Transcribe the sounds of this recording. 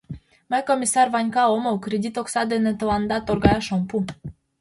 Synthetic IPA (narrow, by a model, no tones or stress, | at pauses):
mækomʲisɑrβɑnʲkɑomowkɾedʲit̪oksɑd̪enĕt̪ə̆lɑnd̪ɑt̪orɡɑjɑʃompu